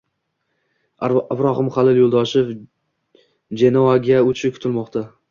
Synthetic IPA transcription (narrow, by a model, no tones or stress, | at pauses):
ɪbɾɒɦɪmχalɪljolˠd̪ɒʃɪf | d͡ʒenɒaɡʲaot͡ʃʰɪkʰʊ̥t̪ʰɪlmɒqt̪ʰa